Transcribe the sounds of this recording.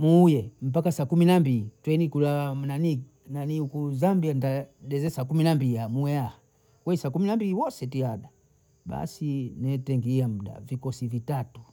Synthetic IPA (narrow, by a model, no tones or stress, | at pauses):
muːjɛm̩p̬akasakuminambilitwɛnikulawamnani | naniukuzambiandaɗɛzɛsakuminambiiamuɛaha | kwɛisakuminambiliwɔsɛtiaɗa | ɓa̰sinɛtɛŋɡiam̩da̰vikɔsivitatu̥